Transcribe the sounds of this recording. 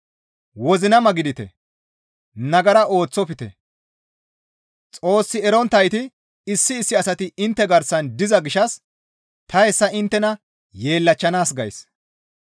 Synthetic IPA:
wɔzɪnɐmɐɡɪd̪ɪt̪ɛ̰ | nɐɡɐɾɐo̞ːt͡sːɔpɪt̪ɛ̰ | t͡sʼo̞ːsːɪɛɾɔnt̪ɐjt̪ɪ | ɪsːɪːsːɪɐsɐt̪ɪɪnt̪ːɛɡɐɾsɐnd̪ɪzɐɡɪʃɐs | t̪ɐɛsːɐɪnt̪ːɛnɐ | je̞ːlːɐt͡ʃːɐnaːsɡɐ̰js

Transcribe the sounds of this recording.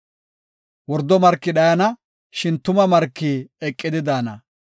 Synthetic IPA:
wɔɾd̪ːɔmɐɾkːɪɗɐjɐnɐ | ʃɪnt̪ʊmɐmɐɾkːiːɛkʼːɪd̪ɪd̪aːnɐ̰

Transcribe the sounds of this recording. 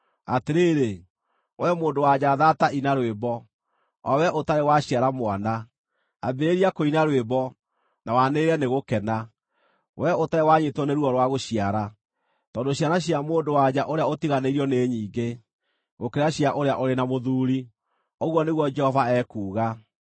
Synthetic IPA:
ateɾeːɾe | wɛmoːndowad͡ʑaːðataʔinaɾwebɔ | ɔ̰wɛʔotaɾewaɕiaɾamowana | abeɾeɾiakoinaɾwebɔ | nawaneɾɛneɣokɛna | wʔɛotaɾewaɲetwɔneɾuɔɾwaɣoɕiaɾa | tɔːndoɕianaɕ̬iamoːndowad͡ʑaʔoɾeaotiɣaneiɾiɔneːɲiːŋɡe | ɣokɛɾaɕiaʔoɾeaʔoɾenamoðuːɾi | ɔɣwɔneɣwɔd͡ʒɛhɔvaɛkuːɣa

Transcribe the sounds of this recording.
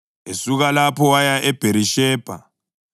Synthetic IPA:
esuɣalapʰɔwajaʔɛb̥ʱeɾiʃɛːb̥ʱa̰

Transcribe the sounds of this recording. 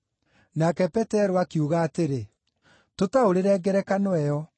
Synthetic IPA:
nakɛpɛtɛɾoakiuɣaːteɾe | totaoɾeɾɛɡɛɾɛkanwɛjɔ

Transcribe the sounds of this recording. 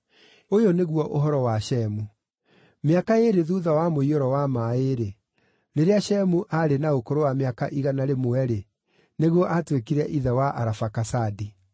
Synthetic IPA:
ojoneɣwɔʔoɦɔɾɔwaʃɛmu | meakaeɾeðuðawamoiɔɾɔwamaeɾe | ɾeɾeaɕɛmuʔaɾenaokoɾowameakaʔiɣanaɾemoɛɾe | neɣwɔʔatwekiɾɛʔiðɛwaʔa̰ɾafakasadi

